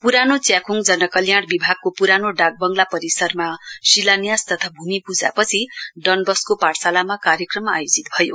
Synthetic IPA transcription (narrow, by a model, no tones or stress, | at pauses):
puɾanot͡sjakʰuŋd͡zʌnʌkʌljaɽ̃bibʱaɡ̚kopuɾanoɖaɡ̚bʌŋɡlapʌɾisʌrmasilanijast̪ʌt̪ʰabʱumipud͡za̰pʌt͡sʰiɖʌnbʌskopaɽsalamakaɾjekrʌmajod͡zit̪̚bʱʌjo